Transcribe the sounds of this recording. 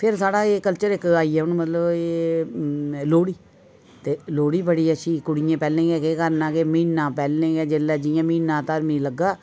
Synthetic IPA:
pʰɪɾsaːɽaːeːkəlt͡ʃəɾɪkaːiːɛːʊnmət̪ləbeː | loːɽiː | t̪eːloːɽiːbəɽiːəʃiːkʊɽɪjẽːpɛːlẽːɡɛːkeːkəɾnãːkeːməiːnːãːpɛːlːẽːɡɛːd͡ʒelːɛːd͡ʒɪjãːmiːnːãːt̪əɾmĩːləɡːaː

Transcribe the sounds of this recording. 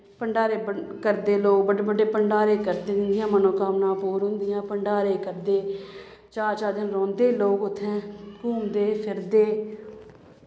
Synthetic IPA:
pəɳɖaːɾeːb | kəɾd̪eːloːk̚bəɖbəɖeːpəɳɖaːɾeːkəɾd̪ɪnd̪ɪjãːmənõːkaːmnãːpuːɾɦʊ̃nd̪ɪjãːpəɳɖaːɾeːkəɾd̪eː | t͡ʃaːɾt͡ʃaːd̪ɪnɾɔ̃ːnd̪eːloːkʊt̪ʰːɛ̃ːpuːmd̪eːpʰɪɾd̪eː

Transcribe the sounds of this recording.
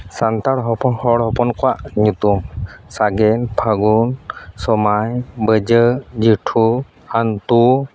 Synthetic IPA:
sant̪aɽɦɔpʰɔnhɔɽhɔpɔnkɔwaʔɲut̪umsaɡɛnpʰaɡunsɔmajbəd͡ʒəd͡ʒiʈʰu | ant̪u

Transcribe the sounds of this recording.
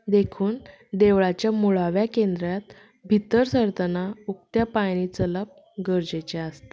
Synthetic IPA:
d̪ekʰuːn | d̪eʋɭat͡ɕjamuɭaʋjakend̪ɾjat̪̚ | bʱit̪ːəɾsəɾt̪ənauk̚t̪japañit͡sələp̚ | ɡəɾd͡ʑet͡ɕeast̪ḁ

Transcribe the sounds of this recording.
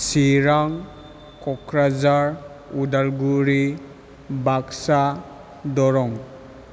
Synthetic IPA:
siɾaŋ | kɔkʰɾazaɾ | udalɡuɾi | baksa | dɔɾɔŋ

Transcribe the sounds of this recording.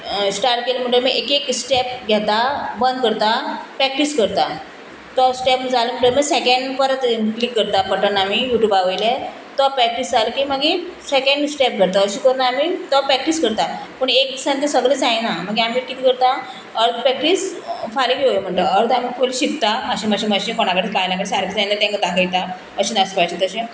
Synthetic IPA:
sʈaɾʈkeləm̤əɳʈəlmiʔekeksʈɛp̚ɡʱjɛt̪abənd̪̚kəɾt̪apɾɛk̚ʈiskəɾt̪a | t̪ɔsʈɛpməd͡zaləm̤əɳʈəɾmisekəɳɖpəɾət̪klikːəɾt̪apəʈənːamijuʈjuːbaʋəjle | t̪ɔpːɾɛk̚ʈisd͡zaləkiməɡesekəɳɖsʈɛp̚ɡʱəɾt̪əəɕikəɾunamiːt̪ɔpːɾɛk̚ʈiskəɾt̪apəɳek̚sãnt̪esəɡɭed͡zajnam̤əɡeamiːkit̪ʰikəɾt̪a | əɾt̪pɾɛk̚ʈisfaliɡeojem̤əɳt̪əəɾt̪amiːkʰoliɕikt̪aəɕiməɕiməɕẽkoɽ̃akəɾt̪kajlãkəɽsaɾkʰid͡zajnəɾt̪ɛ̃ŋkəd̪akʰəjt̪a | əɕinaspajt͡ɕit̪əɕẽ

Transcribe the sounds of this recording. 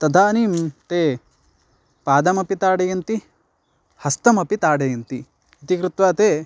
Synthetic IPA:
t̪ɐd̪ʱaːniːmt̪eː | paːd̪ɐmɐpit̪aːɽɐjɐnt̪i | hɐst̪ɐmɐpit̪aːɽɐjɐnt̪i | ɐt̪ikɾut̪ʋaːt̪eː

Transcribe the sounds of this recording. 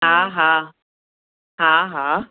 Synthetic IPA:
ɦaɦa | ɦãɦã

